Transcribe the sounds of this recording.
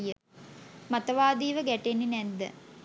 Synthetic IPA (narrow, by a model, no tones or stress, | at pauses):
jə | mat̪əʋaːd̪iːʋəɡæʈenːinɛd̪ːə̰